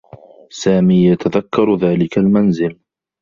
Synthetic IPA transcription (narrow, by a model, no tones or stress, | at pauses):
saːmiːjat̪aðakːɑɾˤðaːlɪkalmanzɪl